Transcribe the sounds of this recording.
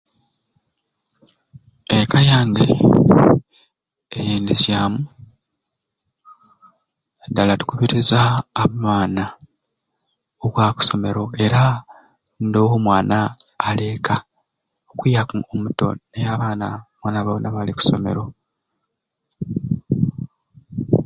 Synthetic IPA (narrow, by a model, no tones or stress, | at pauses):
ekajaːŋɡḛ | ejiːndizjaːmu | dalatu̥kuβiɾizaːmaːna | oβwaːku̥so̞me̞ɾo̞e̞ɾa | ndoːwomwaːnaː | le̞ːka | okijakuomuto̞̰nejaβaːnamwaːnaβanaβaliku̥so̞me̞̰ɾo̞